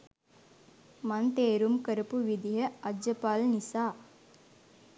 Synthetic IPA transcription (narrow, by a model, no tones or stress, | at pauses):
mant̪eːɾumkəɾəpuʋid̪iɦəɐd͡ʒd͡ʒəpaːlnisaː